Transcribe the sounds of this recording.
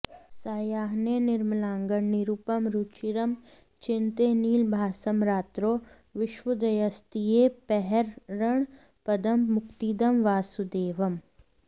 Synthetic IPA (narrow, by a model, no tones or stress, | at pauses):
saːjaːɦnenɪɾmlaːŋɡəɳniɾupɐmɾut͡ʃiɾɐm | t͡ʃɪnt̪eniːlbʱaːsəmɾaːt̪ɾoː | ʋɪʃʋɐd̪ɐjɐst̪ijeːpɛɦɛɾːɐɳ̃ | pɐd̪ɐmmʊkt̪iːd̪ɐmʋaːsud̪eːʋɐm